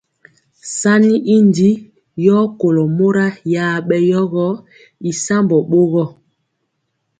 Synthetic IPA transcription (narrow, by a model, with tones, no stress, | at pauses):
sa˦ni˦ʔi˦ndi˦ | jɔ˦ko˨lɔ˨mo˦ɾa˦jaː˨˦ɓɛ˦jɔ˦ɣɔ˦ | i˨sa˦mbɔ˨ɓo˦ɣɔ˦˨